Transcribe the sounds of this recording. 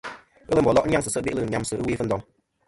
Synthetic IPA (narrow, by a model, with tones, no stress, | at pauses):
ə˦lə˦m̩˨bɔ˨lɔ˦ʔ̩˦ɲ˦a˦ŋsɨ˨sə˦ʔbi˦lɨ˦˨ɲa˦msɨ˦ʔɨ̰˦wi˦fə˦n̩˨dɔ˨ŋ